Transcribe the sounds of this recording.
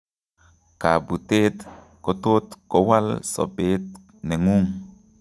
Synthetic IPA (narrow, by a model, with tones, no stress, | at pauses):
ka˨bu˨t̪e˦t̪ | ko˨t̪o˦t̪ko˨wa˦lsɔ̰˨beː˨˦t̪̚ | ne˨ŋu˦ŋ